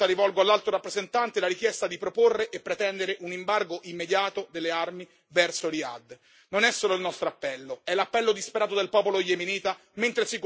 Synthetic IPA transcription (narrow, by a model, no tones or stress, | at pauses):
aɾivɔlɡoalːalt̪ɾoɾapːɾezent̪ant̪elaɾik̟jɛst̪ad̪ipɾoporːeʔepːɾet̪ɛnd̪eɾeʔunimbarɡoʔimːed̪jaːt̪od̪elːearmi | vɛrsolia̰d̪ː | nonɛsːoːloilnɔst̪ɾoapːɛlːoɛlːapːɛlːod̪ispeɾaːt̪od̪elpɔːpolojeminiːt̪a | ment̪ɾesik